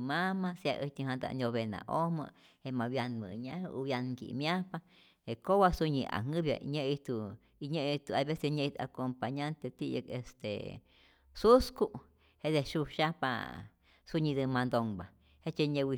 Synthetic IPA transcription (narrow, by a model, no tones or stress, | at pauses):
mãmãsja̰ʔɨt̪ĩɦãnd̪a̰nʲoβenã̰ʔomə̰̃ | hemãβjanmɨ̰̃ɲãhuβjankḭmjapa | hekowasuɲĩʔa̰ŋɨ̃βja̰ɲẽʔit̪u | iɲẽʔit̪uaβeseɲẽit̪a̰kompaɲant̪et̪ijekḛst̪ḛ | suskuʔ | hed̪eʃuʃapa̰ | suɲĩd̪ɨmãnd̪oŋba̰ | het͡ʃeɲẽwi